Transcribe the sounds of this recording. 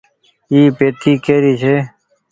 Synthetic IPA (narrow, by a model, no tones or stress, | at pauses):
iːpeːt̪ʰiːkeːɾiːt͡ɕʰeː